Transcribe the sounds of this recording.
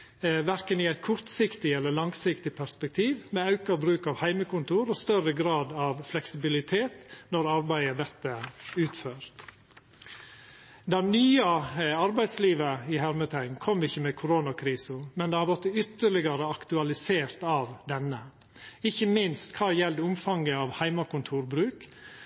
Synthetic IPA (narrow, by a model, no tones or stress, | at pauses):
ʋæɾkənɪæɪt̪̚kʰʊɾt̪sɪkt̪ɪɛlːəɭɑŋsɪkt̪ɪpʰæɾspɛk̚t̪ʰiːʋmɛɑʉkɑɾbɾʉːkɑʋhæɪməkʊnt̪ʰuːɾɔst̪œrəɡɾɑːd̪ɑʋflɛksɪbɪlɪt̪ʰeːt̪nɔɾɑɾbæɪəd̪ɛt̪ːəʉːt̪føːɾt̪ | d̪ɑnyːɑɑɾbæɪd̪sliːʋəɪhæɾmət̪ʰæɪnkʰɔmːɪçːəmɛkʰʊɾoːnɑkʰɾiːsəmɛnd̪ɛhɑɾʋɔt̪ːʏt̪ːəɭɪɡɑɾəɑkt̪ʉɑlɪseːɾt̪ɑːʋd̪ɛnːə | ɪçːəmɪnst̪kʰɑːjɛld̪əʊmfɑŋɡəɑʋhæɪmɑkʊnt̪ʰuːɾbɾʉːk